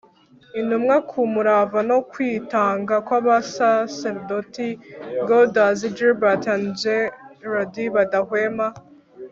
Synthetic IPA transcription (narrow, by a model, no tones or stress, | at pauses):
inumŋakʰumuɾavanokwiːtaːŋɡakwaβasaseɾdotiɡodazid͡ʒebatand͡ʒeɾodiβadahwema